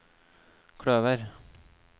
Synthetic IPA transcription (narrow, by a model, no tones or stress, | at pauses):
kʰɽøːʋəɾ